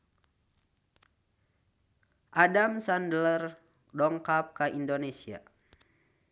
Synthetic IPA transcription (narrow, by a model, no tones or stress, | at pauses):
ʔadamsandələr | dɔŋkap̚kaʔindonesia̰